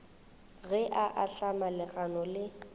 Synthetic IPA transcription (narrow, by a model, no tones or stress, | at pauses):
ɣɛʔaʔaɬamalɪɣanɔlɪ